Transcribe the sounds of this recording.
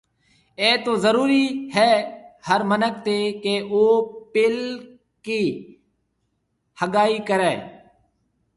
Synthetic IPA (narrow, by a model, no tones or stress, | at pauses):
eːt̪oːzəɾuːɾiːhɛːhəɾmənək̚t̪eːkeːoːpɪl | kiː | həɠaːiːkəɾɛː